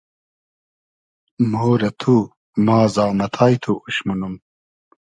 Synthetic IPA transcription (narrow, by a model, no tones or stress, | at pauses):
moːɾɐt̪ʰu | maːzaːmɐt̪ʰaːjt̪ʰuuɕmunum